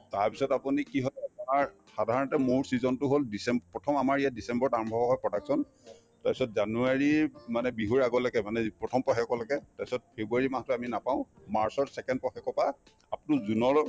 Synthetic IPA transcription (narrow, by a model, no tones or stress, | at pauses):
taɹpi̥sɔtapunikiɦɔlanaɹ | xadʱaɹɔntɛmʊɹsizɔntʊɦoldisɛmbpɹɔtʰɔmamaɹijadisɛmbɔɹtaɹɔmbʱɔɦɔjpɹɔdaksɔn | taɹpi̥sɔt̚zanuaɹimanɛbiɦuɹaɡɔlaɡɛmanɛpɹɔtʰɔmpɔxɛkɔlakɛtaɹpi̥sɔt̚pʰebuaɹimastʊaminapaʊ̃maɹsɔɹsɛkɛnd̚pɔxɛkɔpa | apnuzunɔɹ